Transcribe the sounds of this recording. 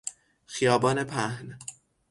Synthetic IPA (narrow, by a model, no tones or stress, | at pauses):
xijɒːbɒːne̞pʰæhn